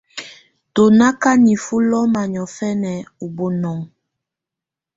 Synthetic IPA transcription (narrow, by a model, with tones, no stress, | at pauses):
to˨na˦ka˦ni˨fu˦lɔ˦ma˨ɲɔ˨fɛ˦nɛ˨u˨bo˦nɔ˦ŋ